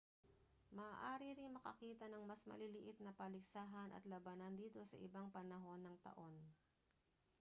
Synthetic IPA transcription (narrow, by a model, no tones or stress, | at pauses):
mɐːʔaːɾiɾɪnmɐkɐkiːt̪ɐnɐŋmɐsmɐ̰lɪlɪʔɪt̪̚nɐpɐlɪɡsaːɦɐnʔɐ̰t̪lɐbɐnɐnd̪iːt̪o̞sɐ̰ʔɪbaŋpɐnɐɦo̞nːɐŋt̪ɐ̰ʔo̞n